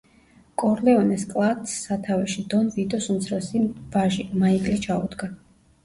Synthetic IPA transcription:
kʼɔɾlɛɔnɛskʼlˠat̪sːat̪ʰavɛʃid̪ɔnvid̪ɔsunt̪sʰɾɛsiv̥aʒimaikʼlit͡ʃʰaud̪ɡa

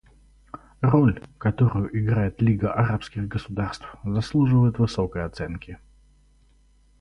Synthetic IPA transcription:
rolʲkɐt̪oɾʊjʊʔɪɡɾajɪt̪lʲiɡəʔɐɾapskʲɪɣɡəsʊd̪arst̪fzɐslˠuʐɨvəjɪt̪vɨso̞kəjɐt̪sɛnkʲɪ

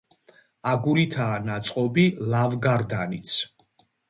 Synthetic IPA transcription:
aɡuɾit̪ʰaːnat̪sʼqʼɔbilavɡaɾd̪anit̪sʰ

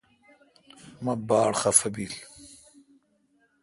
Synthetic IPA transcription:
mɐbaːɽχɐfɐbil

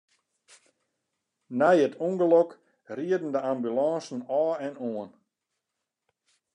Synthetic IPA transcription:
nɛjətʰuŋɡəlɔk | riədn̩dəambylɑːsn̩ɔːɛnoən

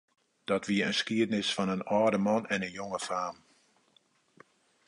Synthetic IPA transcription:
d̥ɔtʋiəənskiədnɪsfɔnənɔːdəmɔnɛnənjoŋəfaːm

